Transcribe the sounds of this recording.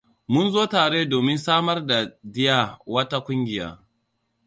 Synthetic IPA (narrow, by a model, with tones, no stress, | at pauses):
mʊ˦nzoː˦taː˨ɽeː˦doː˨mɪ˦nsaː˦mɐ˦rda˨dɪ˦jaː˦wɐ˦ta˦kʷʊ˦ŋɡʲɪ˨ja̰ː˦